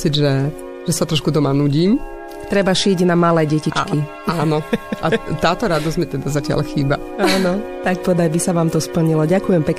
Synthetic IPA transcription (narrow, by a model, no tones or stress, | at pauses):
t͡sid̪ʒɛ | ʒ̥ɛsat̪ɾɔʃkut̪ɔmanuːɟiːm | t̪ɾɛbaʃɪɛɟnamalɛjɟɛcit͡ʃki | aːnɔʔat̪aːt̪ɔɾad̪ɔzɟmit̪ɛd̪azacɪa̰lxiːba | aːnɔt̪akpɔd̪ajbisaʋaːmt̪ɔspl̩ɲilɔɟakujɛmpɛk